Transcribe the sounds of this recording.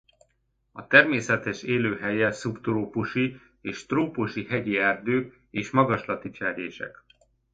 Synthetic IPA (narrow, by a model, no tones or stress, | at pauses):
ɒt̪ɛrmeːsɛt̪ɛʃeːløːɦɛjɛsupt̪roːpuʃi | eːʃt̪roːpuʃiɦɛɟiɛːrd̪øːk | eːʃmɒɡɒʃlɒt̪it͡ʃɛɾeːʃɛ̰k